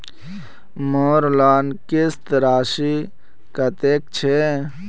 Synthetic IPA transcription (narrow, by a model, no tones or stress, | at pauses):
moːɾlaːnkɪst̪ɾaːʃi | kɐt̪eːk̚t͡ʃʰe